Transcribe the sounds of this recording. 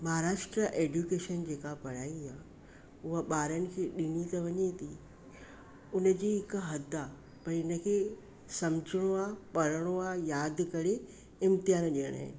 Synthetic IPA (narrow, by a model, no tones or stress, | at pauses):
mɐɦaɾaːʃʈɾəʔeːɖukeːʃənd͡ʑeːkapɐɽ̤aːiaː | ʊɦəɓaːɾənɪ̆kʰeːɗɪnit̪ɐʋɐɲet̪ʰi | ʊnə̆d͡ʑiːɦɪkɦɐd̪a | pɐɾɪnə̆kʰeː | sɐmd͡ʑəɽ̃oaːpɐɾəɽ̃oaːjaːd̪kɐɾe | ɪmt̪ɪjaːnɗiəɽ̃a̰ːɦɪ̰nɪ